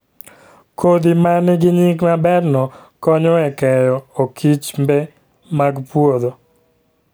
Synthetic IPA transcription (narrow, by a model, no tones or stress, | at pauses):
kʰod̪imanɡɪɲikmabɛrnɔkɔɲɔɛkɛjɔokʰit͡ʃmbɛ | maɡpwod̪o